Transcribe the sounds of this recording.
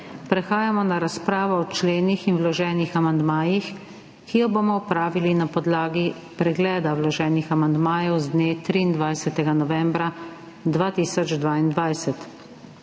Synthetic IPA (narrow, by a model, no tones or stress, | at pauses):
pɾɛxaːjamɔnaɾaspɾaːʋɔɔt͡ʃleːnixinwlɔʒɛːnixamand̪maːjix | kijɔbomɔɔpɾaːʋilinapɔd̪laːɡi | pɾɛɡlɛːd̪awlɔʒɛːnixamand̪maːjɛwzd̪neːt̪ɾiːnd̪ʋajsɛt̪ɛɡanɔʋɛːmbɾa | d̪ʋaːt̪iːsɔd͡ʒd̪ʋaːind̪ʋajsɛt̪